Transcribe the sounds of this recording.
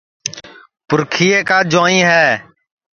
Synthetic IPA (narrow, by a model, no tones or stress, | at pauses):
pʊɾkʰiːeːkaːd͡ʒãːĩːɦɛː